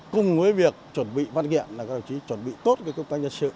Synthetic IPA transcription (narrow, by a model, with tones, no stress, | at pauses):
kʊ˨˩ŋ͡mvəː˨˦jvi˨˩ək̚t͡ɕwə˨˩nɓḭ˧˨va˧nɣḭ˧˨ənlaː˨˩kɔ˨˦ɗa˨˩wt͡ɕi˨˦t͡ɕwə˨˩nɓḭ˧˨t̪o˦˥t̚kəː˨˦kə˧wŋ͡mt̪waː˧ŋɲzə˧n̚sɨ̰˧˨